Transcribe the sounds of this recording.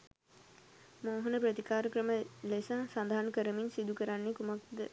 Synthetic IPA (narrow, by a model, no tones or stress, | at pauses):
moːɦɐnəpɾət̪ikaːɾəkɾəməlesaːsand̪ʱaɦːnkəɾəminsid̪ukəɾanːekumak̚d̪ə